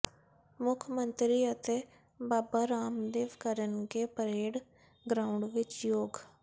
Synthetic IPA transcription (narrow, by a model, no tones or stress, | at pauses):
mʊkʰmənt̪ɾiːət̪eː | baːbaːɾaːmd̪eːʋkəɾənkepəɾeːɽ | ɡɾaːʊɳɖʋɪt͡ʃjoːɡ